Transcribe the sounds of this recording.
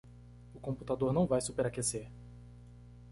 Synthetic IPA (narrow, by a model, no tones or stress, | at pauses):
ʊkõput̪ad̪oɾnɐ̃w̃vajsupeɾakeseɾ